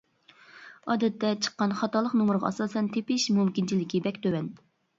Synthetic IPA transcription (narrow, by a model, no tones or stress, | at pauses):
ɑːd̪ɛt̪ʰːɛt͡ʃʰə̥qːɑnχɑt̪ɑlˠəqnumʊɾʁɑ̰ɑsɑːsɛnt̪ʰepɪʃmumkʲint͡ʃʰilɪkʲibɛkʲt̪ʰøwɛn